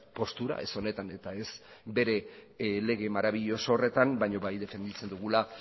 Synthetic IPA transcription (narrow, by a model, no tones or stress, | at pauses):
po̞st̪uɾa̰ʔe̞̰so̞ne̞t̪ane̞t̪ae̞sbe̞ɾe̞le̞ɣ̞e̞maɾaβ̞iʎo̞soːre̞t̪ambajɲo̞βajðe̞fe̞nd̪it͡se̞nd̪uɣula